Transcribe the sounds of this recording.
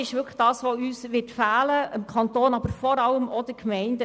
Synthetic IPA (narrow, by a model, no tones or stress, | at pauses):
ɪʃʋʏkʰə̥χd̥ɑːsʋoyːsʋɪtfæːləʔəmkʰɑntoːnɑbəɾfɔɾɑləmɔd̥əkmɛɪndə